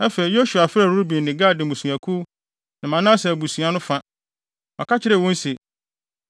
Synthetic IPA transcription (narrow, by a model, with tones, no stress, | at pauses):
ɛ˦fe˨ɾi˨jo˦su˨a˨fɪ˦ɾa˦˨ɾu˦ɾbĩ˨n˨nɪ̃˨ɡaː˦˨dɪ̃˨mũ˨sũ˨a˨kʰu˦ | nã˨mã˨˦nã˦sɛ˨æ˨bu˨sũ˨a˨nʊ̃˦fã˦ | mã˨kʰa˦t͡ɕʰɪ˦ɾɛ˨wɔ̃˦n̩˦se˨